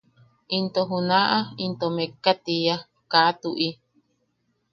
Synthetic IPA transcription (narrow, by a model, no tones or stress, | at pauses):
int̪oɦunaʔaint̪omekːat̪ija | kat̪uʔi